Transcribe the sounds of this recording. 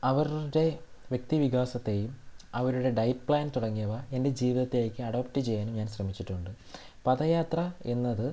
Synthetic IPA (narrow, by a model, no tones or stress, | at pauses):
ɐʋɐɾɽe̞ʋje̞k̚t̪iʋiɣaːsɐt̪ːejumɐʋɐɾuɽe̞ɖɐjʈpɭaːnt̪uɽɐŋːijɐʋɐe̞nde̞d͡ʑiːʋiðɐt̪ːelaːjikʲːɨɐɽoːpʈɨt͡ɕe̞jːaːnumɲaːnɕrɐmit͡ɕːiʈːuɳɖɨ | pɐðɐjaːt̪rɐe̞nːɐðɨ